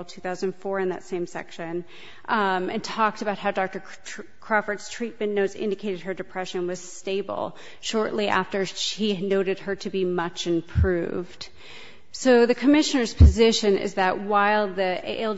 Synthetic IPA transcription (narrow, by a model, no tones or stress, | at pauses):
l̩ˠtʰʉθaʊzə̃ndnfɔɹɨ̃nðɨ̰tsẽɪ̃msɛ̰kʃɨ̃n | ɨ̃ntʰɔk̚tɨbaʊt̚ɦaʊdɑk̚tə˞ | kʰɹ̥ɑfə˞dstʰɹ̥it̚mɨ̃nnoʊtzɪ̰̃ndɨkʰeɪɾɨd̚ə˞dɨpʰɹ̥ɛʃɨ̃nwʌz̥steɪbl̩ˠ | ʃɔɹʔˡliʔæ̰ftə˞ʃinoʊɾɨd̚ə˞ɾɨbimʌt͡ʃɨ̃mpʰɹ̥ʉvd̥ | soʊðɨkʰɨmɪʃɨnə˞z̥pʰɨzɪʃɨ̃nɪ̰zðɨʔ̚waɪlˠðiḛɪlˠ